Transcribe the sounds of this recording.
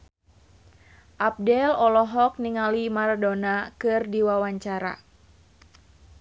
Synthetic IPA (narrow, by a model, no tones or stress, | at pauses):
ʔap̚dɛlɔlɔɦɔk̚niŋalimardonakɨrdiwawaɲt͡ʃaɾa̰